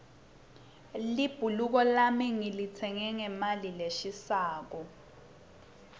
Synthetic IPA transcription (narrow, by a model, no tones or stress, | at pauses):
lib̥ʱuluk̬ɔlamiŋilit͡sʰɛŋɛŋɛmalileʃisaːk̬ɔ